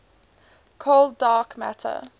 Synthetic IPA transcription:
kʰɔlˠdɑːkmæ̰tʰə̰

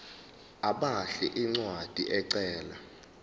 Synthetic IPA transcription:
aɓaɬɛ̰ʔiŋ͡ǀwad̥ʱiʔɛǀɛːla

